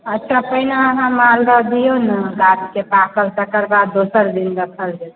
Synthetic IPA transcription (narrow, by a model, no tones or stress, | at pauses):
ətːʃʰapəinaɦãmaldəd̪ijonəɡat̪kepakəɾsəkəɾbad̪ːosəɾd̪inɡ̪əsʰəɾd͡ʒe